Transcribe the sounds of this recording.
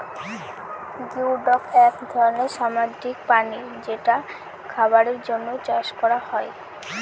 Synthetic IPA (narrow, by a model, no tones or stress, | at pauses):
ɡiwɖɔkɛkd̪ʱɔɾoneɾʃamad͡ʑikpaniɾd͡ʑeʈa | kʰabaɾeɾd͡ʑonːot͡ɕaʃkɔɾahɔe